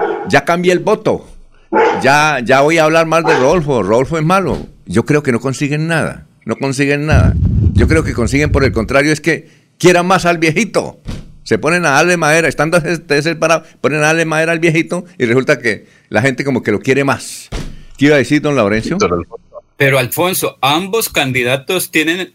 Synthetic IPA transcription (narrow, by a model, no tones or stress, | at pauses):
ɟ͡ʝakambjelbo̞t̪o̞̰ | ʝaʝaβojaːβlaɾmazd̪eroðolfo̞roðolfoe̞zmalo̰ʝo̞kɾe̞oke̞no̞ko̞nsiɣe̞nːaða̰ | no̞ko̞nsiɣe̞nːaða̰ʝo̞kɾe̞oke̞ko̞nsiɣe̞mpo̞ɾe̞lkont̪ɾaɾjoeske̞ | kje̞ɾamasalbje̞xit̪o̰se̞po̞nenaalemaðe̞ɾaest̪and̪oset̪es̬espaɾapo̞nenaalemaðe̞ɾaːlβjexit̪o̞iresult̪ake | laxe̞nt̪e̞ko̞mo̞ke̞lo̞kje̞ɾe̞maskeiβaðesiɾd̪o̞nlawɾensjoeapeɾoalfo̞nsoambo̞skand̪iðat̪ost̪jenen